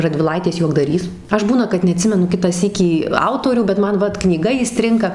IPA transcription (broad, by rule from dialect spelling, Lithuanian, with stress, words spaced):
rɐdʲʋʲɪˈlˠɐɪtʲeːs juɔɡdɐˈrʲiːs ˈɐʃ ˈbuːnɐ kɐt nʲɛɐˈtʲsʲɪmʲɛnʊ ˈkʲɪtɑː ˈsʲiːkʲiː ˈɐʊtoːrʲuː bʲɛt ˈmɐn ˈʋɐt knʲiːˈɡɐ iːˈsʲtʲrʲɪŋkɐ